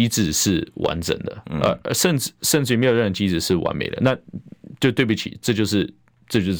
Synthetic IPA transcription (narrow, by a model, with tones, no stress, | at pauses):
i˥t͡sɹ̩˨˩ʂɻ̩˥˩wa̰˧˥nʈ͡ʂə̰˨˩ŋd̪ə˦ə̰˧ə˧ʂə˥˧nt͡s̩˥˩ʂə˥˧nʈ͡ʂɻ̩˥˩jme˧˥jɻə˥˩ə˧˩t͡ɕi˥t͡sɻ̩˨˩ʂɻ̩˥˩wa̰˧˥nmḛ˨˩ɪd̪ə̰˦na˥˨t͡ɕjo˥˧ʊt̪we˥˩u˥˩t͡ɕʰḭ˨˩ʈ͡ʂɤ˥˧t͡ɕjo˥˧ʊʂ̬ɻ̩˥˧ | ʈ͡ʂɤ˥˧t͡ɕjo˥˧